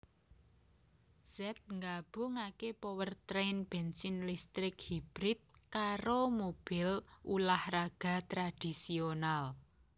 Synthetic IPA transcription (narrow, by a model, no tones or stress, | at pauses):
z̥ɛt̪̚ŋɡab̥ʊ̤ŋakepowərt̪ɾenb̥ensɪnlist̪ɾɪkhib̥ɾɪt̪̚kaɾomob̥ɪ̤lʔulahraɡ̥a̤t̪ɾad̪̥i̤sional